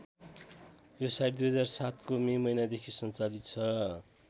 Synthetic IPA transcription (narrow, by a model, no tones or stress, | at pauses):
josajʈd̪ujɦʌd͡zarsat̪komemʌjnad̪ekʰisʌnt͡salit̪̚t͡sʰʌ